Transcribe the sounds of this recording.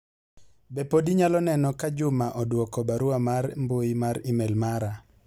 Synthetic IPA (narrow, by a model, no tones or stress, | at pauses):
bepodiɲalɔnɛnɔkad͡ʒʊmaʔɔdwɔkɔbaɾʊamaɾmbojimaɾimɛlmaɾa